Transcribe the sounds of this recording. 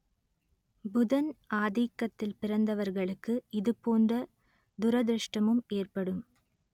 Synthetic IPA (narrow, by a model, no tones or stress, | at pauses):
bʊðɐnʔaːðikːɐt̪ːɪlpɪɾɐnd̪ɐʋɐɾɣɐɭɯkːɯɪðɯpoːndrɐ | d̪ʊɾɐd̪ɾɯʂʈɐmɯmeːrpɐɽɯm